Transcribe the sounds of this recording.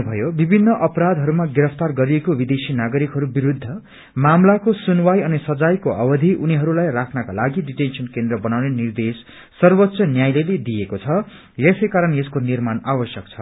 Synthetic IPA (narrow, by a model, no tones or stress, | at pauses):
bʱʌjobibʱinːʌʔʌpɾad̪ʱɦʌɾumaɡiɾʌpʰt̪arɡʌɾiekobid̪esinaɡʌɾikɦʌɾubiɾud̪ʱːʌ | mamlakosunwajʌnisʌd͡zajkoʔʌbʌd̪ʱiʔuniɦʌɾulajrakʰnʌkalaɡiɖiʈensʌnkend̪rʌbʌnawnenird̪esː | ʌrbʌt̪ːsʌnjajleled̪ijekot͡sʰʌ | jesʌjkaɾʌneskonirmanabʌsjʌk̚t͡sʰʌ